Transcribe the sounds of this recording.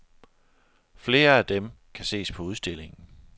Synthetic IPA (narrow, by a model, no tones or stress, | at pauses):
fle̝ːɐæd̥em | kʰæse̝̰ːspʰɒ̽uð̞ˠsd̥e̝le̝ŋn̩